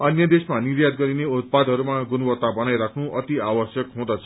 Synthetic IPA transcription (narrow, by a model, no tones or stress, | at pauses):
ʌnjʌd̪esmanirjad̪ɡʌɾineut̪̚pad̪ʱɦʌɾumaɡunuwʌt̪ːabʌnajɾakʰnuʔʌt̪iawʌsjʌkɦũd̪ʌt͡sʰʌ̥